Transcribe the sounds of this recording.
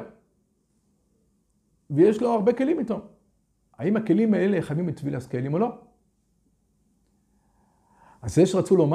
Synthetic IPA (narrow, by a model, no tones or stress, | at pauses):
vejeʃlanuaʁbe̞ke̞limitom | aimake̞limaeleχamimit̪vilaskelimo̞lo̞ | azeʃeʁat͡sulo̞m